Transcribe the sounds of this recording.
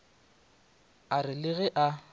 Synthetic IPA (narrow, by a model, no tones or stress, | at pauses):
arɪlɪɣɛʔa